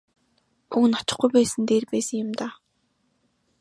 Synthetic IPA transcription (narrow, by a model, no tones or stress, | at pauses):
uŋnɔt͡ɕɪ̆χɡujpæːsə̆nt̪eːrpæːsə̆ŋjʊmt̪aː